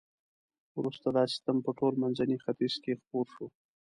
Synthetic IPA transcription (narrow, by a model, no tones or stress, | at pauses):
wɾust̪ad̪ɑsɪ̥t̪ampəʈolmanzanixat̪iz̥kexpoɾʃo